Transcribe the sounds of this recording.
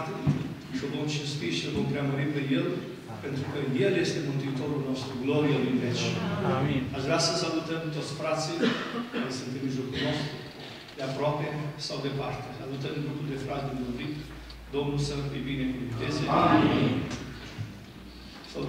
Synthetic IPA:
t̪e | kəvomʃust̪iʃilvompɾeaməɾipejel | pent̪ɾukəjjeljest̪emunt̪it̪oɾulnost̪ɾuɡloɾielivet͡ʃ | azɡɾasəsalut̪ənt̪ot̪sʲfɾat̪silesɨnt̪imʒokunost̪ɾu | d̪eapɾapesawd̪epart̪esalut̪ənɡɾupuld̪efɾat̪̚d̪emovik̪ | d̪omulsəebinekuvint̪eze | sa

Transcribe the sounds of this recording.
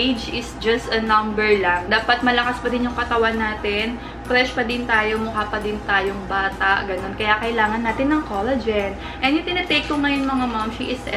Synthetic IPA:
ed͡ʒɪsd͡ʒɐst̪ɐnɐmbɛɹlaŋd̪aːpɐt̪̚mɐlɐkaspɐd̪ɪnjʊŋkɐt̪ɐwanːaːt̪ɛn | pɾɛʃpɐd̪ɪnt̪aːjo̞mʊhaːpɐd̪ɪnt̪aːjoŋbaːt̪ɐʔɡɐno̞nkɐjakɐʔɪlaːŋɐnːaːt̪ɪnːɐŋkolɛd͡ʒɛn | ʔɛ̃njʊŋt̪ɪnɐt̪ejk̚ːʊŋɐjʊŋmɐŋamamʃiʔɪsɛ

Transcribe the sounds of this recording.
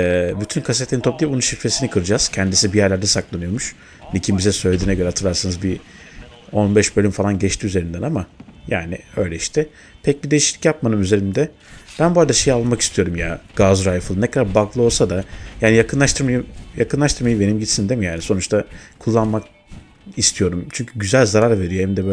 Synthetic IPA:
ɛbyt̪ʰynkʰas̬et̪lʲenit̪ʰo̞p̚d̪ijipbonunʃifɾe̞sinikʰɯɾɯd͡ʒaz̥cʰɛnd̪isibijæɾlʲæɾd̪ɛsaklˠanɯjo̞ɾmuʃ | nicʰimbizɛsø̞jlʲe̞d̪iːnɛɟøɾɛɦat̪ʰɯɾlˠaɾsanɯzbi | o̞nbɛʃbølʲymfalˠanɟɛt͡ʃt̪iyzeɾind̪ænamajaːniø̞jlʲɛiʃt̪ʰɛ | t̪ʰɛc̚bid̪e̞jiʃlʲicjap̚manɯmyze̞ɾind̪ɛ | b̥ænboːɾad̪aʃe̞jialˠmaki̥st̪ʰijo̞ɾumjaɡ̥azɾajfɯlˠɯnɛkʰad̪aɾbaklˠɯo̞lˠsad̪ajaːnijakɯnlˠaʃt̪ʰɯɾmajɯjakɯnlˠaʃt̪ʰɯɾmajɯbe̞nimɟit̪sind̪emijaːniso̞nut͡ʃt̪ʰakʰulˠːanmak̚ | ist̪ʰijo̞ɾumt͡ʃʰyɲcʰyɟyzælʲzaɾaɾve̞ɾijeimd̪ɛbø

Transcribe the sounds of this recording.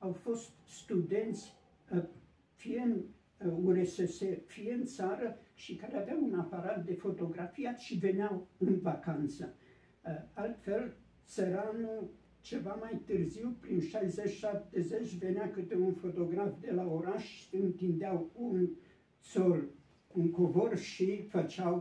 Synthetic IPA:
awfo̞st̪st̪ud̪e̞nt̪sʲ | fiɨn | uesesefijɨnt̪saɾəʃikaɾeaveawunapaɾat̪̚d̪e̞fo̞t̪o̞ɡɾafijat̪ʃive̞neawɨnvakant̪sə | alt̪fe̞l | səɾanu | t͡ʃe̞vamajt̪ɨrziwpɾinʃajzet͡ʃʲʃap̚t̪ezet͡ʃʲve̞neakɨt̪eunfo̞t̪o̞ɡɾafd̪e̞laoɾaʃɨnt̪ind̪eawun | t̪sol | uŋkovorʃifət͡ʃaw

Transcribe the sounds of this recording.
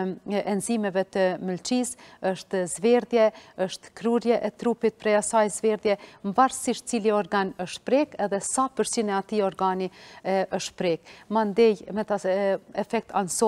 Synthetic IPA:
ʔɛnzimɛvɛt̪əməlt͡ʃisəʃt̪zvɛɾðjɛəʃt̪kɾuɾjɛʔɛt̪ɾupit̪̚pɾɛjasajzvɛɾðjɛmvaɾsiʃt̪̚t͡siliɔɾɡanəʃt̪̚pɾɛkɛðɛsapəɾsinɛat̪iɔɾɡaniʔəʃt̪pɾɛk̚mand̪ɛjmɛt̪aɛfɛk̚t̪ansɔ

